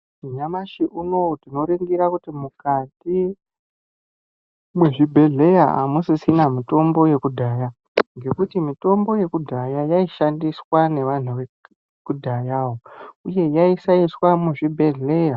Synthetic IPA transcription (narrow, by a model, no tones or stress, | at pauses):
uɲamaʃiʔuno̞tino̞ɾiŋɡiɾakutimukati | mweʐibʱe̞ɮe̞jaa̰musisinamito̞mbo̞je̞kudʱaja | ŋɡe̞kutimito̞mbo̞je̞kudʱajajaiʃandiswane̞ʋan̤uʋe | kudʱajaːwouje̞jaisaiswamuʐibʱe̞ɮe̞ja